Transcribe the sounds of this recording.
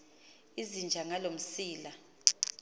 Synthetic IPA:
izind͡ʒʱaŋalom̩siːla

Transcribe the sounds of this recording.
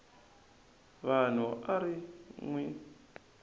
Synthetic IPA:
βan̤uʔaɾiŋwi

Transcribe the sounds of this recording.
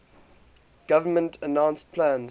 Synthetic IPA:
ɡ̥avəmə̃ntʰənãʊ̃nspʰlãn

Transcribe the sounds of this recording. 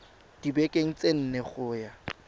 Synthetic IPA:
d̥ibɛkʼeŋ̩t͡sʼen̩neχʊːja

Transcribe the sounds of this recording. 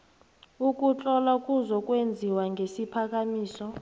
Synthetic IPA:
uk̬ʼut͡ɬʼɔlakʼuzɔkʼwend͡zʱiwaŋɡʱesipʰak̬ʼamiːsɔ

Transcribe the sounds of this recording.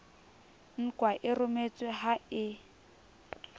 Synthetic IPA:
ŋ̩kwaʔɪrʊmet͡sʼwɪɦaɪ

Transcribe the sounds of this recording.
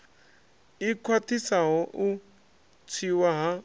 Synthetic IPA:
ikʰwatʰisaɦɔʔu | t͡sʰiwaɦa

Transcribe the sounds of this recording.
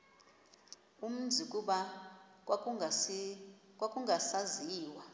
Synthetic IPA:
um̩nd͡zʱik̬ʼuɓa | kʼwakʼuŋɡʱasaziːwa

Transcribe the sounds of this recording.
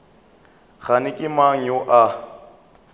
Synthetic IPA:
ɣanɪkʼɪmaŋ̩joʔa

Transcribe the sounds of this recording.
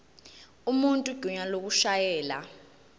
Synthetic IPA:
umuntʼuɡ̥ʱuɲalok̬uʃajɛːla̰

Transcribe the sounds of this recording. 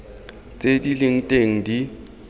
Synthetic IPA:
t͡sʼedilɪŋ̩tʼeŋ̩di

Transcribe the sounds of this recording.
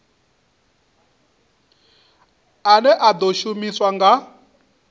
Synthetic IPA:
anɛʔad̪oʃumiswaŋɡa

